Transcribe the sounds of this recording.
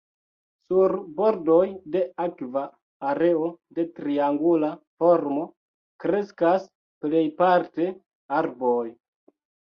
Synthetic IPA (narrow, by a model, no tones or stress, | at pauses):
suɾbo̞ɾdo̞jde̞akvaː | ɾe̞o̞de̞tɾiaŋɡulafo̞ɾmo̞ | kɾe̞skas | ple̞jpaɾte̞ | aɾboj